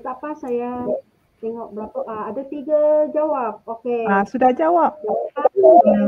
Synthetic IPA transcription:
t̪apasaja | t̪ɛŋɔʔ̚bəlapaaːdat̪iɡad͡ʒawap̚okeasudahd͡ʒawap̚aaa

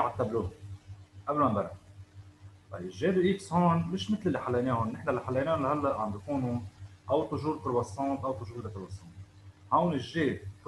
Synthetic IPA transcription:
ʕat̪ːabluːhʊʔablmambaɾˤa | bɑ̰jɪʒːeːd̪uʔiːkshoːnmɪʃmɪt̪lɪlːiħalːajneːhʊnːɪħnalːiħalːajneːʊnlahalːaʔʕambjakuːnuʔawt̪ˤʊʒuːɾt̪ʊɾwɑsˤːɑːt̪ʔawt̪ˤʊʒuːɾlat̪ʊɾwɑsˤːɑːnt̪ | hawnɪʒːeːd̪̚

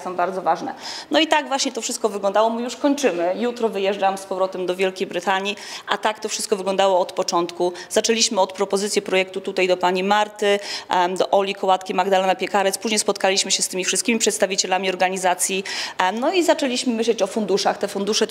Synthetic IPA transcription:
sɔ̃w̃baɾd̪zɔvaʐnɛnɔit̪aɡvwaɕɲɛt̪ɔfʂɘst̪̚kɔvɘɡlɔnd̪awɔmujuʂkɔɲt͡ʂɘmɘjut̪ɾɔvɘjɛʐd͡ʐamspɔvɾɔt̪ɛmd̪ɔvʲjɛlkʲejbɾɘt̪aɲiʔat̪ak̚t̪ɔfʂɘst̪kɔvɘɡlɔnd̪awɔːt̪pɔt͡ʂɔnt̪kuz̥at͡ʂɛlʲiɕmɘɔt̪pɾɔpɔzɘt̪sʲjɛpɾɔjɛk̚t̪ut̪ut̪ajd̪ɔpaɲimaɾt̪ɘd̪ɔʔɔlʲikɔwat̪kʲimaɡd̪alɛnapʲjɛkaɾɛt̪spuʑɲɛjspɔt̪̚kalʲiɕmɘɕɛst̪ɘmʲifʂɨst̪̚kʲimʲipʂɛt̪st̪avʲit͡ɕɛlamʲiɔɾɡaɲizat̪sʲjinɔizat͡ʂɛlʲiɕmɘmɘɕlɛt͡ɕɔfund̪uʂaxt̪ɛfund̪uʂɛ

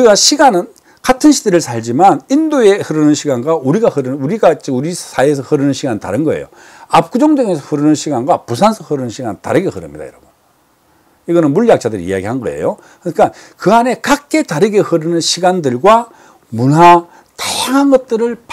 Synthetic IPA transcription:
iɡaɕʰiɡanɯn | katʰɯnɕʰidɯɾɯɭsʰaʎd͡ʑimanindoe̞hɯɾɯnɯnɕʰiɡanɡwauɾiɡahɯɾɯnuɾiɡat͡ɕiuɾisʰaiesʰʌhɯɾɯnɯnɕʰiɡanta̰ɾɯnɡʌḛjo̰ | ap̚k͈ud͡ʑoŋdweŋesʰʌhɯɾɯnɯnɕʰiɡanɡwapusʰansʰʌhɯɾɯnɯnɕʰiɡanta̰ɾɯɡe̞hɯɾɯ̰mɲida̰iɾa̰bun | iɡʌnɯnmuɭjak̚t͡ɕ͈adɯɾiḭja̰ɡiɦanɡʌ̰e̞̰jo | kɯɲik͈akɯane̞kak͈e̞taɾɯɡe̞hɯɾɯnɯnɕʰiɡandɯɭɡwa | munɦa | tʰaŋanɡʌt̚t͈ɯɾɯɭp

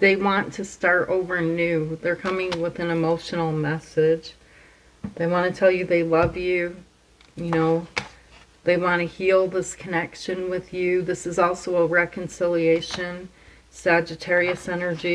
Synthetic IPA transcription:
ðeɪwɑ̃ntʰɨstɑɹɾoʊvə˞nʉðə˞kʰʌmɪ̃ŋwɪðɨ̃nɨmoʊʃn̩l̩ˠmɛsɪd̥d͡ʒ | ðeɪwɑ̃nɨtʰɛlˠjɨðeɪlʌvjʉ | jɨnoʊ | ðeɪwɑ̃nɨhilˠðɪskʰɨnɛkʃɨ̃nwɪðjʉðɪsɨzɔlˠsoʊəɹɛkɨ̃nsɪlˠieɪʃɨ̃n | sæd͡ʒɨtʰɛɹiɨsɛnə˞d͡ʒi

